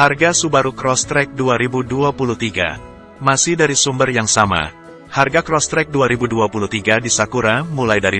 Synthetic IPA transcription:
harɡasubaɾukɾɔst̪ɾɛk̚duaɾibuduapulut̪iɡa̰ | masɪhdaɾisumbərjaŋsama̰ | harɡakɾɔst̪ɾɛk̚duaɾibuduapulut̪iɡadisakuɾamulajdaɾi

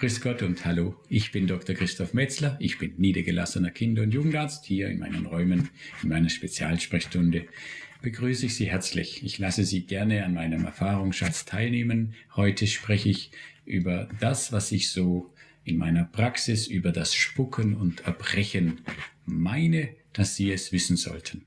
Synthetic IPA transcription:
kʁ̥ɪsɡ̥ɔtʊnthaloːʔɪçb̥ɪndɔktɐkʁ̥ɪstʰɔfmɛt͡slɐʔɪçb̥ɪnːiːdɐɡəla̰sənɐkʰɪndɐʊntjuːɡŋ̩taɐt͡sthiːɐɪ̰nma̰ɪnə̰nʁɔʏmənɪnmaɪnɐʃpet͡sja̰ːlʃpʁ̥ɛçʃtʊndəb̥əɡʁyːsəɪçz̥iːhɛɐt͡slɪ̰çɪçlasəziːɡ̥ɛɐnəanmaɪnəmʔɛ̰ɐfaːʁʊŋsʃat͡stʰaɪlneːmənhɔʏtʰəʃpʁ̥ɛçəɪçʔy̰ːbɐd̥asv̥asɪçz̥oː | ʔɪnmʔa̰ɪnɐpʁ̥aksɪsʔyːbɐdasʃpʊkʰənʊntʰɛɐb̥ʁɛçənmaɪnəd̥asz̥iːɛsv̥ɪsn̩zɔ̰ltʰən

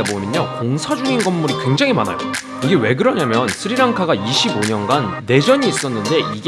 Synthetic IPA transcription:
abomjʌɲokoŋsʰad͡ʑuŋinɡʌmːuɾikwe̞ŋd͡ʑaŋɦimana̰jo | iɡe̞we̞ɡɯɾʌɲamjʌnsʰɯɾiɾaŋkʰaɡaiɕʰiboɲʌnɡanːe̞d͡ʑʌɲiːs͈ʌnːɯnde̞iɡ

